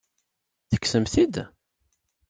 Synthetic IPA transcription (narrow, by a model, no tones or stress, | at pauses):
θə̥kːsəmθid̪